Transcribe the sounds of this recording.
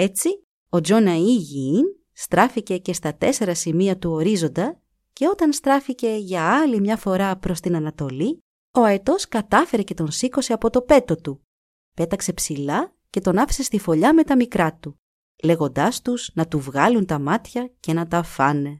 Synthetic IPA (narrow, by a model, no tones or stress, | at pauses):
e̞t͡si | o̞d͡ʒo̞nɐiʝin | st̪ɾɐfice̞ce̞st̪ɐt̪e̞se̞ɾɐsimiɐt̪uo̞ɾizo̞nd̪ɐ | ce̞o̞t̪ɐnst̪ɾɐfice̞ʝɐɐlimɲɐfo̞ɾɐpɾo̞st̪inɐnɐt̪o̞li | o̞ɐet̪o̞skɐt̪ɐfe̞ɾe̞ce̞t̪o̞nsiko̞se̞ɐpo̞t̪o̞pe̞t̪o̞t̪u | pe̞t̪ɐkse̞psilɐ | ce̞t̪o̞nɐfe̥se̞st̪ifo̞ʎɐme̞t̪ɐmikɾɐt̪u | le̞ɣo̞nd̪ɐst̪uznɐt̪uvɣɐlunt̪ɐmɐt̪çɐce̞nɐt̪ɐfɐne̞